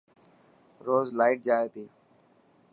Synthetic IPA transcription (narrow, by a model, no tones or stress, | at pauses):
ɾoːzlaːɪʈ̚d͡ʒaːeːt̪iː